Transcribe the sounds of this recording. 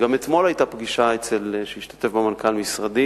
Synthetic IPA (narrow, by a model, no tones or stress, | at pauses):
ɡamet̪mo̞lajtapɡiʃaet͡selʃehiʃtḁte̞fbemankalmisʁad̪i